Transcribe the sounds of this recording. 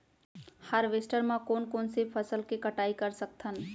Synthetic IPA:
həɾʋesʈəɾmãkonkonsepʰəsəlkekəʈaikəɾsək̚t̪ʰən

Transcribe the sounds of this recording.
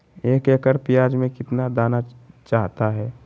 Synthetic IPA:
eːkeːkəɾpijaːd͡ʒmẽkɪt̪nad̪aːnat͡ʃaːɦt̪aɦɛː

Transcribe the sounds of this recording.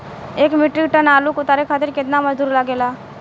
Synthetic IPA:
eːkmɪʈɾiʈənaːlukʊt̪aːɾekʰaːt̪ɪɾkɪt̪namɐd͡ʒd̪uːɾlaɡeːlaː

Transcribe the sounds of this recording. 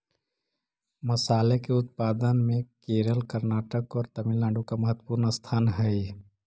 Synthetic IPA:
məsaːlekeʊt̪̚paːd̪ənmẽkeːɾəlkəɾnaːʈəkɔːɾt̪ɐmɪllãːɳɖũkamɐɦət̪wəpuːɾnəst̪ʰaːnɦɛi

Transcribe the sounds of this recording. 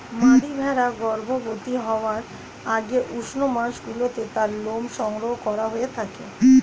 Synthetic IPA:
maɾibʱɛɾaɡɔɾbʱobot̪iɦɔoaɾ | aɡeʔuʃnomaɾʃɡulot̪et̪aɾlomʃɔŋɾoɦokɔɾaɦoet̪ʰake

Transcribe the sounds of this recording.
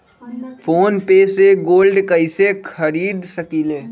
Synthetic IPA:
pʰoːnpeseɡoːlɖkəɪsekʰəɾiːd̪səkileː

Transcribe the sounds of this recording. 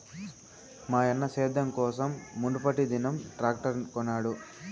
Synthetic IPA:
maːjɐnːɐsɛːd̪ʱɐmkɔːsɐmːuɳɖupɐʈid̪inɐmʈɾaːkʈɐɾkɔnːaːɽu

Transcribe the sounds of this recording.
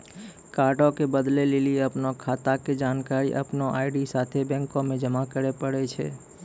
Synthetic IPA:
kaɾʈõkebəd̪lelilieəpnokʰat̪aked͡ʒaːnkaɾḭʔə̰pnoʔaɪɖisat̪ʰebɛ̃ŋkõmẽd͡ʒəmakəɾepəɽet͡ʃʰḛ

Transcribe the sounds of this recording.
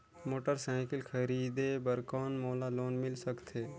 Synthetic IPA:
moːʈəɾsãːkɪlkʰəɾiːd̪ebəɾkɔːnmoːlaloːnmɪlsəkt̪ʰeː

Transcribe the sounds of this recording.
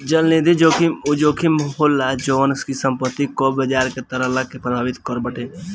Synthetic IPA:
d͡ʒəlned̪id͡ʒoːkiud͡ʒoːkʰimɦolːad͡ʒoʋənskisə̃mpət̪ːikɔbəd͡ʒaːɾket̪ɐɾəɦlakepɾɐbʱaːʋɪt̪kɔɾbəʈe

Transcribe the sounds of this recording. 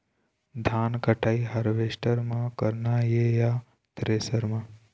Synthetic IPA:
d̪ʱaːnkəʈʰaːiɦɐɾʋeːʃʈəɾmãkəɾnajeja | t̪ɾeːsəɾmã

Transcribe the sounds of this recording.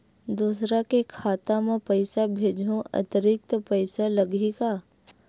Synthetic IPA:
d̪uːsɾakekʰaːt̪amẽpəɪsabʱeːd͡ʒʱũʔɐ̰t̪əɾɪk̚t̪əpəɪsalɐɡika

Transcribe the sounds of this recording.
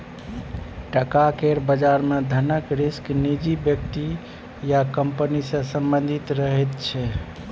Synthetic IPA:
ʈəkakeɾbəd͡ʒaɾmed̪ʱənəkɾisknid͡ʒibjəkt̪i | jakəmpənisə̃sə̃mbənd̪ʱit̪ɾəɦɛt̪t͡ʃʰɛ

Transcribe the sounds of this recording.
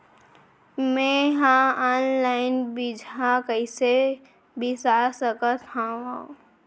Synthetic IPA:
mẽɦãaːnlaɪnbid͡ʒʱãkəɪse | bɪsasəkət̪hãʋã

